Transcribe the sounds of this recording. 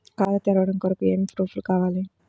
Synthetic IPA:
kaːd̪ɐt̪ɛɾɐʋɐɽɐmkɔɾɐkueːmit̪ɾuːfulkaːʋaːli

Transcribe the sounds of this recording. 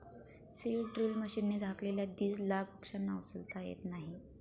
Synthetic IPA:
silʈɾilməɕinːed͡zʱakleljad̪iːd͡zlapəkʂanːawsəlt̪ajḛt̪naɦi

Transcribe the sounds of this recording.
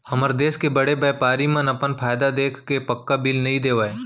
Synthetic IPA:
hɐməɾd̪eːskebɐɽebɛːpaːɾimənɐpənpʰaːjd̪ad̪eːkʰkepɐkːabilnɐɦĩd̪eːʋaːeː

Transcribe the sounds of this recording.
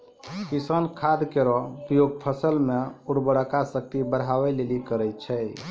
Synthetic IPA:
kisənkʰad̪keɾɔpɾijoɡ̚pʰəsəlmeuɽbəɽəkasək̚t̪ibəɽɦawɛlelikəɾɛt͡ʃʰɛj

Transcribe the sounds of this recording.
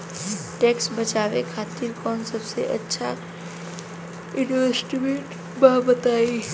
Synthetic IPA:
ʈeksbət͡ʃaʋekʰat̪iɾkɔnsəbseʔətːʃʰa | inʋesʈibeʈ | babət̪ai

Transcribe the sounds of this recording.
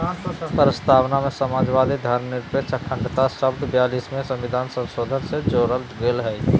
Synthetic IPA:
pɾəst̪ʰaːwnamẽsəmaːd͡ʒʋaːd̪ʱid̪ʱəɾmnɪɾpet͡ʃəkʰːə̃ɳɖt̪aʃəbd̪bjaːlismẽsə̃mʋɪd̪ʱaːnsə̃nsoːd̪ʱənsed͡ʒoːɾəld͡ʒɡeːlɦɛ

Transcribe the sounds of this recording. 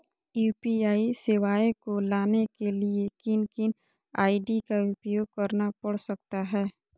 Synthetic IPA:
juːpiaːisɪʋaːekolaːnekeliekɪnkɪn | aːiɖikaʊpjoːɡ̚kɐɾnapɐɽsɐk̚t̪aɦɛː

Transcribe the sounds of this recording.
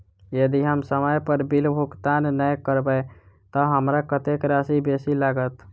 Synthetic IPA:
jəd̪iɦəmsəməjpəɾbilbʱukt̪annəjkəɾbəɪ | t̪əɦəmɾakət̪ekɾasibesilaɡət̪

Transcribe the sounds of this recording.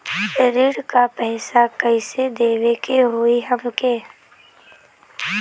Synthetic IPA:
ɾɪɽkapɛɦsakəised̪eːʋekeɦoːiɦəmkeː

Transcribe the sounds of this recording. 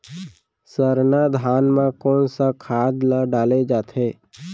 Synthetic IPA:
səɾnad̪ʱaːnmãkɔːnsakʰaːd̪laɖaːled͡ʒaːt̪ɦeː

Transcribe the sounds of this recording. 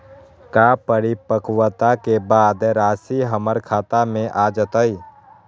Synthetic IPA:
kaːpəɾipəkwət̪akebaːd̪ɾaːsiɦəməɾkʰaːt̪amẽʔaːd͡ʒət̪əi

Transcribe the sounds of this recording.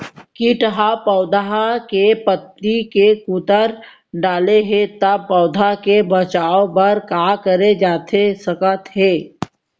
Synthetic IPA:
kiʈəɦapɔːd̪aɦakepət̪nikekut̪əɾ | ɖaːleɦẽt̪ɐb̚pɔːd̪ʱakebət͡ʃaːopɐɾkaːkəɾed͡ʒaːt̪ʰesɐkət̪ɦeː

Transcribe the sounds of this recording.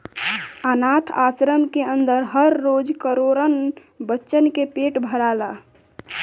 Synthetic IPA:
ənat̪ʰaːsɾəmkeənd̪əɾɦəɾːoːd͡ʒkəɾoɾən | bətːʃənkepeʈbʱəɾala

